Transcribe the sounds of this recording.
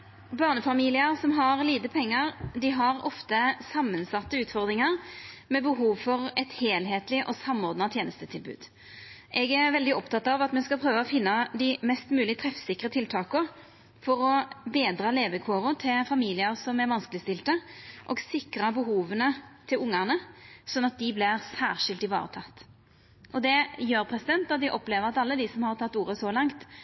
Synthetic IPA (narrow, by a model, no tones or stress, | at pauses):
bɑːʁnəfɑmiːlɪəʁsɔmɦɑʁliːt̪əpʰɛŋːəʁd̪ɪɦɑʁɔft̪əsɑmːənsɑt̪ːəʉːt̪fɔʁd̪ʁɪŋɑʁmɛbəɦuːʋfɔɾɛt̪heːlɦeːt̪lɪʔɔsɑmːɔːʁd̪nɑt̪ʰjeːnəst̪ət̪ʰɪlbʉ̰ːd̪ | ʔɛɡæʁʋɛld̪ɪɔpt̪ɑt̪ːɑʋɑt̪mɛnskɑlpʰʁøːʋəɔfɪnːɑd̪ɪmɛst̪mʉːlɪt̪ʰʁɛfsɪkːʁət̪ʰɪlt̪ʰɑːkə | fɔɾɔbeːd̪ɾɑːleːʋəkʰoːʁʊt̪ʰɪlfɑmiːlɪəʁsɔmæɾʋɑnskəlɪst̪ɪlt̪əʔɔ̰ɡsɪkɾɑbəɦuːʋənət̪ʰɪlʊŋːæʁnəsɔnːɑt̪̚d̪ɪblɪʁsæːʁʂɪlt̪ɪʋɑ̰ːʁət̪ʰɑt̪ː | ʔɔd̪ɛjøːɾpʰʁɛsɪd̪ɛnt̪ɑt̪̚d̪ɪʔɔpleːʋəʁɑt̪ɑlːəd̪ɪsɔmhɑʁt̪ʰɑt̪ːuːɾəsɔlɑŋt̪